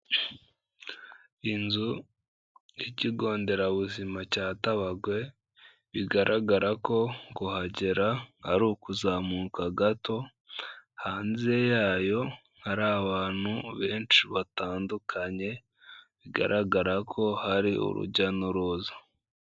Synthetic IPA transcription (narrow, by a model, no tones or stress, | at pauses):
inzu | jiciɡo̞ːnde̞ɾaβuzimacaːtaβaɡwe̞ | βiɡaɾʔaɡaɾako̞ɡohaɟeɾahaɾuːkuzaːmuːkaɡato̞ | haːnziejaːjo̞ | haɾaːβaːn̥huβe̞ːnt͡ʃiβataːndukʰaɲe̞ | βiɡa̰ɾʔaɡaɾakʰo̞haɾiṵɾṵɟanuɾuzḁ